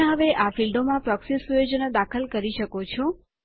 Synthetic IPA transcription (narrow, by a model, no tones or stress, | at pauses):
ɦəʋeʔafilɖomãpɾɔksesujod͡ʒənəd̪akʰəlkəɾiʃəkot͡ʃʰɔ̃